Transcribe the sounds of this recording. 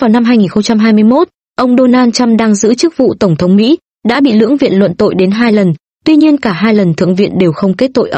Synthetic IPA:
vaː˨˩wna˧mɦaː˧jŋi˨˩nxə˧ŋ͡mt͡ɕa˧mɦaː˧jmɨ˧əjmo˦˥t̚ | ʔə˧wŋ͡mɗo˧naː˧nt͡ɕa˧mɗaː˧ŋzɨ̰˧˥t͡ɕɨ˦˥k̚vṵ˧˨t̪ə˧˩wŋ͡mt̪ʰə˨˦wŋ͡mmḭ˧˥ | ɗa̰ː˧˥ɓḭ˧˨lɨ̰˧˥əŋvḭ˧˨ənlwə̰˧˨nt̪o̰˧˨jɗe˨˦nɦaː˧jlə˨˩n | t̪wi˧ɲi˧ənkaː˧˩ɦaː˧jlə˨˩nt̪ʰɨ̰˧˨əŋvḭ˧˨nɗe˨˩wxə˧wŋ͡mke˦˥t̚t̪o̰˧˨jʔə˨˧

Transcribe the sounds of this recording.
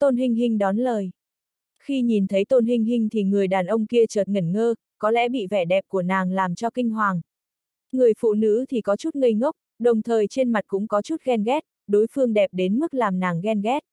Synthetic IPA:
t̪o˧nɦï˧ŋ̟ɦï˧ŋ̟ɗɔ˨˦nləː˨˩j | xi˧ɲi˨˩nt̪ʰə˨˦jt̪o˧nɦï˧ŋ̟ɦï˧ŋ̟t̪ʰi˨˩ŋɨ˨˩əjɗaː˨˩nʔə˧wŋ͡mki˧ət͡ɕəː˨˩t̚ŋə˨˩nŋəː˧ | kɔ˨˦lɛ̰˧˥ɓḭ˧˨vɛ˧˩ɗɛ˨˩p̚ku˧˩ənaː˨˩ŋlaː˨˩mt͡ɕɔ˧kï˧ŋ̟ɦwaː˨˩ŋ | ŋɨ˨˩əjfṵ˧˨nɨ̰˧˥t̪ʰi˨˩kɔ˨˦t͡ɕu˦˥t̚ŋə˧jŋə˦˥wk͡p̚ | ɗə˨˩wŋ͡mt̪ʰəː˨˩jt͡ɕe˧nma˨˩t̚kʊ̰˧˥ŋ͡mkɔ˨˦t͡ɕu˦˥t̚ɣɛ˧nɣɛ˦˥t̚ | ɗo˨˦jfɨ˧əŋɗɛ˨˩p̚ɗe˨˦nmɨ˦˥k̚laː˨˩mnaː˨˩ŋɣɛ˧nɣɛ˦˥t̚

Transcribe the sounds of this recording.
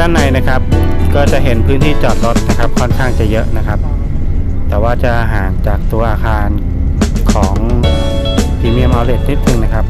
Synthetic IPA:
tʰaː˥˩nːa˨˧jna˦˥kʰa˦˥p̚kɔː˥˩t͡ɕa˨˩ʔɦe˨˩˦npʰɯː˦˥nt̪ʰiː˥˩t͡ɕɔː˨˩t̪̚lo˦˥t̪̚na˦˥kʰa˦˥p̚kʰɔ˥˩nkʰaː˥˩ŋt͡ɕa˨˩jɤ˦˥ʔna˦˥kʰa˦˥p̚ | t̪ɛː˨˩waː˥˩t͡ɕa˨˩ʔaː˧ɦaː˩˦nt͡ɕaː˨˩k̚t̪u˧ɐʔaː˧kʰaː˧n | kʰɔː˩˦ŋ | pʰiː˧mi˧˥˩əmaː˧wle˨˩t̪̚ni˦˥t̪̚nɯ˨˩ŋna˦˥kʰa˦˥p̚

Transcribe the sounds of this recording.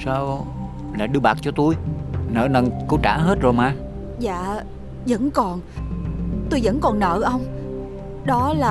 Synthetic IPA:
saː˧w | laː˨˩ɗɨ˧əɓaː˨˩k̚t͡ɕɔ˧t̪u˧jnə̰ː˧˨nə˨˩nko˨˧˦t͡ɕaː˧˩˥ɦe˦˥t̚zo˨˩jmaː˨˩ | za̰ː˧˨ | zə̰˧˥nkɔ˨˩n | t̪o˧jzə̰˧˥nkɔ˨˩nnə̰ː˧˨ʔə˧wŋ͡m | ɗɔ˨˦laː˨˩

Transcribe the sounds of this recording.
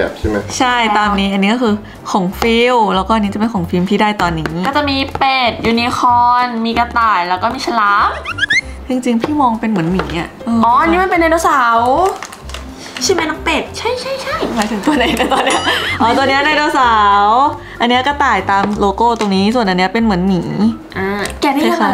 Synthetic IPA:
p̚t͡ɕʰa˥˩m˦t͡ɕʰa˥˩jt̪aː˧mniː˦˥ʔa˧nːiː˦˥kɔː˥˩kʰɯː˧ | kʰo˨˩˦ŋfi˧wlɛː˦˥wkɔː˥˩a˧nːi˦˥t͡ɕa˨˩pe˧nkʰo˩˦ŋfi˧wmt̪ʰiː˥˩daː˥˩jt̪ɔː˧nːiː˦˥ʔkɔː˥˩t͡ɕa˨˩ʔmiː˧peː˨˩t̪̚juː˧˩ni˧xʰɔː˧nmiː˧ka˧t̪aː˨˩jlɛː˦˥wkɔː˥˩miː˧sʰa˧laː˦˥m | t͡ɕi˧ŋt͡ɕi˧ŋpʰiː˥˩mɔː˧ŋpe˧nmɯ˩˦ənmiː˩˦ʔa˧˥˩ʔɤː˧ʔɔː˨˦ʔa˧nːi˦˥m˧˨npe˧nːa˧jdeː˧wsaː˩˦w | t͡ɕʰa˥˩ma˧˥na˦˥k̚pe˨˩t̪̚t͡ɕʰa˥˩jt͡ɕʰa˥˩jt͡ɕʰa˥˩jmaː˨˧˩jt̪ʰe˨˩˦nt̪u˧əna˨˩˦a˧˩t̪ɔː˧nːi˦˥ɐʔɔː˧˩t̪ɔ˧nːi˦˥ɐ˥˧na˧jdoː˧wsaː˩˦w | ʔa˧nːi˦˥ɐkɔ˥˩t̪aː˨˩jt̪aː˧mloː˧koː˥˩t̪o˧ŋniː˦˥su˨˩nʔa˧nːi˦˥ɐ˧pe˧nmɯ˨˩˦ənmiː˩˦ʔaː˧kɛː˧ma˥˨˥kʰa˦˥

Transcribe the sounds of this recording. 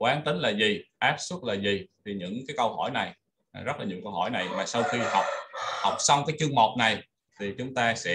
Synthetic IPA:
kwaː˨˦nt̪ï˨˦ŋ̟laː˨˩zi˨˩ʔaː˦˥p̚sʊ˦˥t̚laː˨˩zi˨˩t̪ʰi˨˩ɲɨ̰˧˥ŋkaː˨˦jkə˧whɔ̰˧˩jna˨˩j | zə˦˥t̚laː˨˩ɲi˨˩wkə˧whɔ˧˩jna˨˩jmaː˨˩sa˧wxi˧ha˨˩wk͡p̚ha˨˩wk͡p̚sa˧wŋ͡mkaː˨˦jt͡ɕɨ˧əŋmo˨˩k͡p̚na˨˩j | t̪ʰi˨˩t͡ɕʊ˨˦ŋ͡mt̪aː˧sɛ̰˧˥

